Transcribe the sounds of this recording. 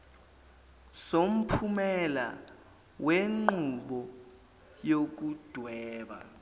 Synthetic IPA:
som̩pʰumɛla̰ | weŋ͡ǃuɓɔ | jok̬ud̥ʱwɛːɓa̰

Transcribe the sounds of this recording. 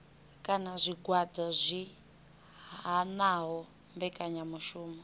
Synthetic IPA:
kʼanazʷiɡʱwadʱazʷi | ɦanaɦɔ | mbɛkʼaɲamuʃuːmɔ

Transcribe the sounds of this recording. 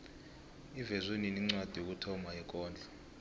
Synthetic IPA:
ivɛzweniniŋ͡ǀwad̥ʱijok̬utʰɔmaɛk̬ʼɔːnd͡ɮʱɔ

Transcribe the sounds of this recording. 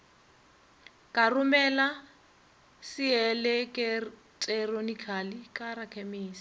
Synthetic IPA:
kʼarumɛla | siɛlɛkʼɛ | tʼɛronikʰalikʼarakʰɛmeːsi̥

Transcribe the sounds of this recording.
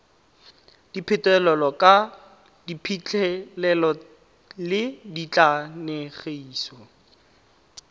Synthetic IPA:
d̥ipʰɪtɛlɔlɔkʼa | dipʰit͡ɬʰʼɛlɛlɔ | lɪdit͡ɬʼanɛχeiːsɔ

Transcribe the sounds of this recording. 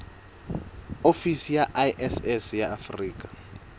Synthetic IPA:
ofisijaʔaʔɛsɛsjaʔafriːk̬ʼḁ

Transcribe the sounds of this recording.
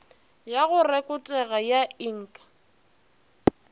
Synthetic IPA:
jaɣʊrɛkʼʊtʼɛɣajaiŋ̩kʼḁ

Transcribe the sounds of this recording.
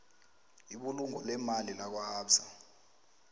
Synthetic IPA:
iɓuluŋɔlɛmalilak̬wahaːpsa

